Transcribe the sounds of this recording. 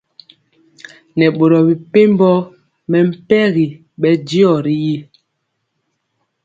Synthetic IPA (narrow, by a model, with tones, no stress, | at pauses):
nɛ˨ɓo˨ɾɔ˨bi˨pe˦mbɔ˦ | mɛ˨m̩˦pɛ˦ɣi˨ | ɓɛ˦di˦ɔ˨ɾi˦ji˦